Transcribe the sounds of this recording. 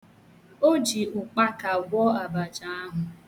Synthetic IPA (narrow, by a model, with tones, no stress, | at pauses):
o˦d͡ʒi˨ʊ˨k͡pa˦ka˨ɡʷɔ˦a˨ba˨d͡ʒa˦a˦ɦʊ˨